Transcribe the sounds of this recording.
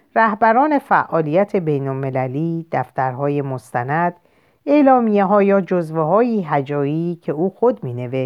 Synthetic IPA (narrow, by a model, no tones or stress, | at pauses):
ræhbæɾɒːne̞fæʔɒːlijæt̪ʰe̞be̞jnolme̞læliːd̪̥æft̪æɾɦɒːje̞most̪ænæd̪̥ | e̞lɒːmijeɦɒːjɒːd͡ʒozveɦɒːjiːɦæd͡ʒɒːiːcʰe̞uːxod̪miːne̞veʃ